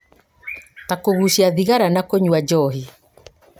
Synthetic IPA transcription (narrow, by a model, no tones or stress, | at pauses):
takoɣuʃiaðiɣaɾanakoɲwad͡ʑɔːɦi